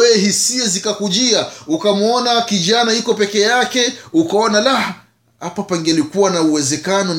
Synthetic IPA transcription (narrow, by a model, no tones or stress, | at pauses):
ɛɦisiazikakuʄiaukamɔnakiʄanaikɔpɛkɛjakɛukaɔnalah | hapapaŋɡɛlikuwanauwɛzɛkanɔn